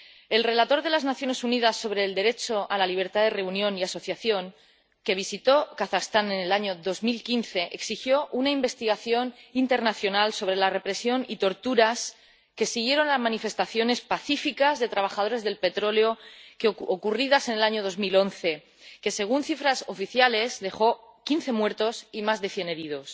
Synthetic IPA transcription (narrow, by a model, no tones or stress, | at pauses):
e̞lre̞lat̪o̞ɾðe̞laznaθjo̞ne̞suniðasːo̞βɾe̞ːld̪e̞ɾe̞t͡ʃo̞ʔalaliβ̞e̞ɾt̪aðere̞unjõ̞niaso̞θjaθjo̞ŋ | ke̞β̞isit̪o̞kaθast̪ane̞nelaɲo̞ðo̞zmilkinθe̞ʔeksixjo̞ʔunaimbe̞st̪iɣ̞aθjo̞nint̪e̞ɾnaθjo̞nalso̞β̞ɾe̞lare̞pɾe̞sjo̞nit̪o̞ɾt̪uɾas | ke̞siɣ̞je̞ɾo̞nlazmãnife̞st̪aθjo̞ne̞spaθifikazðe̞t̪ɾaβ̞axaðoɾe̞zðe̞lpe̞t̪ɾo̞leo̞keokuriðase̞ne̞laɲo̞ð̞o̞zmilo̞nθe̞ | ke̞se̞ɣ̞unθifɾaso̞fiθjale̞zðe̞xo̞ | kinθe̞mwe̞ɾt̪o̞simazðe̞θje̞ne̞ɾiðo̞s